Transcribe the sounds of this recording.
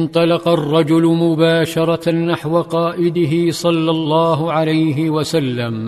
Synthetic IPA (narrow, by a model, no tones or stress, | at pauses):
nt̪ˤɑlɑqɑrˤːɑd͡ʒʊlʊmʊbaːʃɑɾˤɑnaħwaqɑːʔɪd̪ɪɦɪsˤɑlːɑlːɑːɦʊʕalajɦɪwasalːam